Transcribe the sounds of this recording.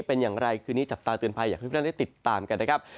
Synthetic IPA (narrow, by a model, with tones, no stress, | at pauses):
pe˧njaː˨˩ŋɾa˧jkʰɯː˧niː˦˥t͡ɕa˨˩p̚t̪aː˧t̪ɯ˨˩ənpʰa˧jaː˨˩k̪̚ʰːa˥˩da˥˩t̪i˨˩t̪ːaː˧mka˧nːa˦˥kʰa˦˥p̚